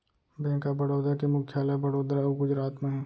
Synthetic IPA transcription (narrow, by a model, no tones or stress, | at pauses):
bẽːkabɐɽoːd̪ɾakemʊkʰːjaːlabɐɽoːd̪ɾaoɡʊd͡ʒɾaːt̪mẽɦɛ̃ː